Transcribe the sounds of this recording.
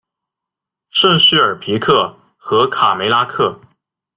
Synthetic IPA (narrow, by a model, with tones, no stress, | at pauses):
ʂwə˥˧nɕ̩˥˩ə˞˨˩pʰi˧˥kʰɤ˥˩ | xɤ˧˥kʰa˨˩me˧˥ɪla˥kʰɤ˥˩